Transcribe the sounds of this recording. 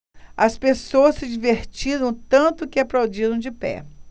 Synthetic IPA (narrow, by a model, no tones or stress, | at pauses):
ɐspesowɐsɪd͡ʒiveɾt͡ʃiɾɐ̃w̃t̪ɐ̃nt̪ʊkɪaplawd͡ʒiɾɐ̃w̃d͡ʒɪpɛ̰